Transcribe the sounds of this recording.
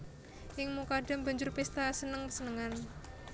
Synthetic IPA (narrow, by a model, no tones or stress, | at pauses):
ʔɪŋmukaɖamba̤ɲd͡ʒʊrpest̪asənəŋpəsənəŋan